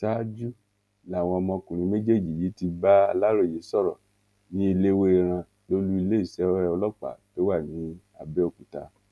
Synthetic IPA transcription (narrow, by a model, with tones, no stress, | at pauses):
ta˦d͡ʒu˦ | la˨w̃ɔ̃˧ɔ˧mɔ̃˧kũ˨ɾ̃ĩ˧˦me˦d͡ʒe˦˨d͡ʒi˨ji˨˦ti˧ba˦a˧la˦ɾo˦˨je˨˦sɔ˦˨ɾɔ̰˨ | nĩ˦e˧le˦we˦e˧˨ɾ̃ã˧ | lo˦lu˦i˧le˦i˦˨sɛ˨˦ɛ˧˦ɔ˧lɔ˦k͡pa̰˨to˨˦wa˦˨nĩ˨˦ | a˧bɛ˦o˦˨ku˨ta̰˧